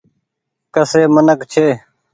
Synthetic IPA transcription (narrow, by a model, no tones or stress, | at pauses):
kəseːmənəkt͡ʃʰeː